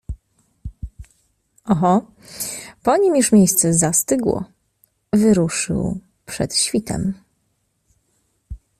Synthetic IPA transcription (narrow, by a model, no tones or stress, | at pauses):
ɔɦɔ | pɔɲimjuʂmʲjejst̪sɛzast̪ɘɡwɔ̰ | vɘɾuʂɘ̰w | pʂɛ̰t̪ɕfʲit̪ɛ̰m